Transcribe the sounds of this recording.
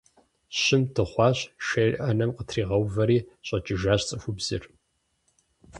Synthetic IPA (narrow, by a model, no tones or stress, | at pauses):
ɕɪmtʰɨχʷɑːɕʃɐrʲʔɐnɐmqətʰriːʁɐwvɐɾiːɕʼɐt͡ʃʼɪʒaːɕt͡sʼɨfʷubz̥ɨ̰r